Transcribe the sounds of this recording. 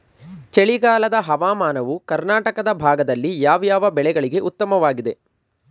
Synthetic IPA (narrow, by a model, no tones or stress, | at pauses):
t͡ʃeɭiɡaːlɐd̪ɐɦɐʋaːmaːnɐʋukɐɾnaːʈɐkɐd̪ɐbʱaːɡɐd̪ɐlːijaːʋjaːʋɐbɛɭɛɡɐɭiɡe̞ʔut̪ːɐmɐʋaːɡid̪e̞